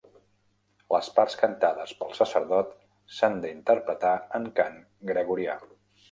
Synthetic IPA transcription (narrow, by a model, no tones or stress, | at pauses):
ləspaɾskənt̪aðəspəlˠsəsəɾðɔt̪ | sand̪əint̪əɾpɾət̪aəŋkaŋ | ɡɾəɣuɾia̰